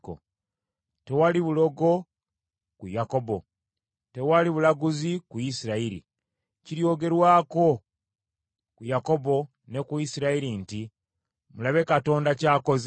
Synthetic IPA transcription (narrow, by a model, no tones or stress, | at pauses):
ko̰ | te̞waliβulo̞ɡo̞ | kujako̞bo̞ | te̞waliβulaɡuzikuisiɾaiɾḭ | ciɾjo̞ːɡe̞ɾwaːko̞ | kujako̞bo̞ | ne̞kuisiɾaiɾinti | mulaβe̞kato̞ːndacaːko̞z